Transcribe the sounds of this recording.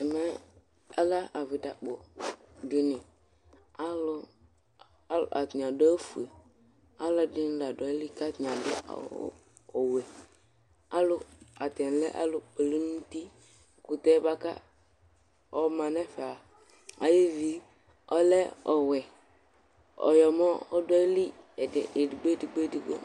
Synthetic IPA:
ɛ˨mɛ˦ | a˦la˦a˨vi˨ta˨k͡po˨dɪ˨nɪ̃˨ | a˦lʊ˦ | lʔa˨tɲ˨a˨dʊ˦a˦fu˨e˨ | a˦la˦dɪ˦n˦la˨dɔ˨˦li˦ka˦t̪ã˨dʊ˦a̰˨˦ | ɔ˨wɛ˨ | a˦lʊ˦a˨t̪ɛ˨n˨lɛ˦ʔa̰˦lo˨k͡pe˨li˦nũ˦t̪i˦ | ku˨t̪ɛ˦ba˦ka̰˦ | ɔ˦mã˨nɛ˦fɛ˨a˨ | a̰˨je˦vi˦ | ɔ˦lɛ˦ɔ˨wɛ˨ | ɔ̰˨jɔ˨mɔ˦ɔ˦dɔ˦li˦˨e˨dɡ͡be˦di˨ɡ͡be˦˨di˨ɡ͡bḛ˦

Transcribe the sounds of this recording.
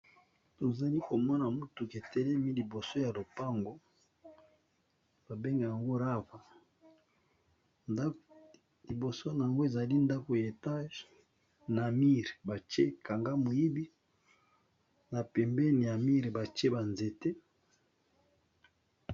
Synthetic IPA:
to˨za˨li˦ko˨mɔ˦na˨mu˦tu˨ke˨tɛ˦lɛ˦mi˦li˨bo˨so˦ja˨lo˨pa˦ŋɡo˦ | b̥a˨be˦ŋɡa˨ja˨ŋɡo˦ɾa˦va˨˦ | li˨bo˨so˦na˨a˨ŋɡo˦e˨za˨li˦nda˦ko˨je˨ta˦ʒ | na˨mi˦ʁe˨ba˨t͡ʃe˦ka˨ŋɡa˦mo˨ji˦bi˦ | na˨pɛ˨mbɛ˦ni˨ja˨mi˦ʁe˨ba˨t͡ʃe˦ba˨nze˨te˦

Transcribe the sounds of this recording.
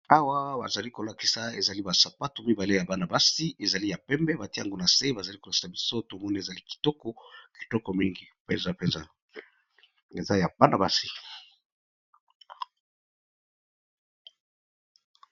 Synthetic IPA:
a˦wa˦ba̰˨za˨li˦ko˨la˨ki̥˨sa˨e˨za˨li˦ba˨sa˨pa˦to˨mi˦ba˨le˦ja˨ba˦na˨ba˦si˦e˨za˨li˦ja˨pɛ˦mbɛ˦ba˨ti˦a̰˨ŋɡo˦na˨se˦ba˨za˨li˦ko˨a˨ki̥˨sa˨bi˦so˦to˨mɔ˦ni˦e˨za˨li˦ki̥˨tɔ˦kɔ˦ki̥˨tɔ˦kɔ˨mi˦ŋɡi˨pɛ˦nza˦pɛ˦nza˦ | e˨za˦ja˨ba˦na˨ba˦si˨

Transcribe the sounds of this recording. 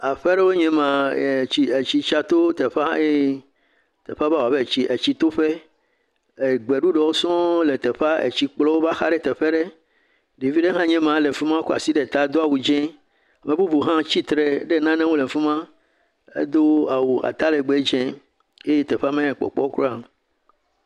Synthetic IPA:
a˨ɸɛ˦ɖe˦wo˦ɲɛ̃˦mã˨i˨e˨t͡ɕi˦t͡ʃa˦t̪o˦t̪e˨ɸa˦e˦ | t̪ɛ˨ɸa˦ba˦wo˨a˨be˦˨t͡ɕi˨ʔe˨t͡ɕi˦t̪o˦ɸe˦ | e˨ɡ͡be˨ɖu˦ɖe˨wo˦sɔ̃˦le˨t̪ɛ˨ɸa˦ḛ˨t͡ɕi˦k͡plɔ˦wo˦ba˦xa̰˦ɖe˦t̪ɛ˨ɸɛ˦ɖe˦ | ɖi˨vi˦ɖe˦ɦã˦ɲɛ̃˦mã˨le˨fu˦mã˦ko˦a̰˨si˦ɖe˨t̪a˦d̪o˦a˨wu˨d͡ʒɛ̃˦ | a˨mẽ˨bu˦bu˨ɦã˦t͡ɕi˦t̪ɾe˨ɖe˦nã˦nɛ̃˦wo˦le˨fu˦mã˦ | ḛ˦d̪o˦a˨wu˨a̰˨t̪a˦le˨ɡ͡be˨˦d͡ʒɛ̃˦ | je˦je˦t̪e˨ɸa˦mẽ˦˨k͡pɔ̰˨k͡pɔ˦kɾo˦a˨

